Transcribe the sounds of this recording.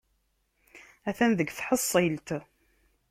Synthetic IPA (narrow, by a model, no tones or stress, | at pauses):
æθænðəɡθħəsˤːelt̪